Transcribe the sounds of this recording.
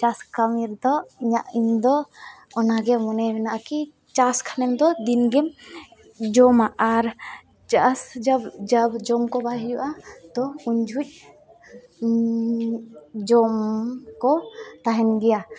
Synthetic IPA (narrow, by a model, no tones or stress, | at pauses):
t͡ʃaskamiɾd̪ɔiɲaʔiɲd̪ɔɔnaɡɛmɔnɛmɛnaʔaki | t͡ʃaskʰanɛmd̪ɔd̪inɡɛm | d͡ʒɔmaʔaɾ | t͡ʃasd͡ʒabd͡ʒabd͡ʒɔmkɔbaɦijuʔat̪ɔuɲd͡ʒʱuc̚ | d͡ʒɔmkɔt̪aɦɛnɡɛja